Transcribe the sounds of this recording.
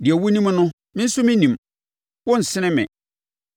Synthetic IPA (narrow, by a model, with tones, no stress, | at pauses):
dɪ˨æ˨wu˦nĩ˦m˦nʊ̃˦ | mɪ̃˦n̩˦sʊ˦mɪ̃˦nĩ˨m | wʊ̃˦n̩˨sɪ˦nɪ̃˦mɪ̰̃˨